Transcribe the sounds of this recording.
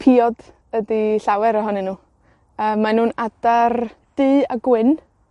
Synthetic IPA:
pʰiɔd | ədiɬawɛɾɔɦɔnɨnuː | əːmːanuːnad̥ard̥ɨːaɡwɪn

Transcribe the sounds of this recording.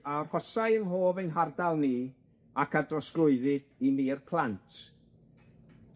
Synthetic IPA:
arhɔsaɨənɦoːvəjnɦardalˠniː | akʰadrɔsɡlˠʊɨðɨd̥iniːrpʰlˠantʰ

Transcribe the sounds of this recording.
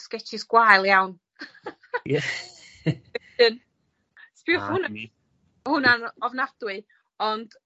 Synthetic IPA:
skɛt͡ʃʰɪsɡ̥wajlˠjawn | jɛ | ɨn | spiχʊna | hʊnanɔvnad̥wɨ | ɔnd̥

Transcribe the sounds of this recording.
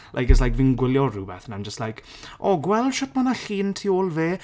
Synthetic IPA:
lʔa̰jkəslajkvɪnɡwɪljɔrubɛθnajmd͡ʒəstlajk | ʔɔɡwɛlˠd̥ʃɔtmɔnaɬiːntʰiːoːlˠveː

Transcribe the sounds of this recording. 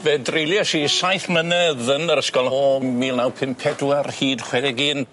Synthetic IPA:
vɛdrejlˠjaʃisajθmənɛðənəɾəskɔlˠmiːlˠnawpʰɪmpʰɛdwarhiːdχwɛdɛɡiːn

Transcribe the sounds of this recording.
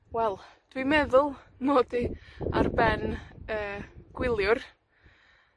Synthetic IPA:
wɛlˠd̥wimɛðʊlˠ | moːdia̰rbɛnəːɡ̥wɪlˠjʊr

